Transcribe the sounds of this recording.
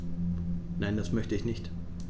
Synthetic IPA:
naɪndasmœçtəɪçnɪçt

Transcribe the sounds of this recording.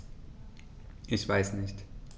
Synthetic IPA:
ʔɪçv̥aɪsnɪçt

